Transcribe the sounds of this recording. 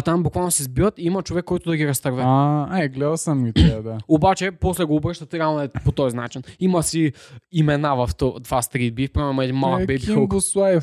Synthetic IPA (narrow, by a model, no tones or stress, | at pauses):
t̪ambukvalˠnosɛzbivət̪iimɐt͡ʃovɛkːɔjt̪ʊd̪ɐɡiɾɐst̪ɐɾvɛaaɛɡlɛd̪ɐsɐmːit̪ɛad̪aobat͡ʃɛposlɛɡoːbɾəʃt̪ɐt̪ɾʲianoɛpot̪ojznat͡ʃinimɐsiimɛnavɐft̪ɔd̪vast̪ɾid̪̚bifpɾɔmɛmoɛd̪inmalˠɐkbɛbiioboslˠa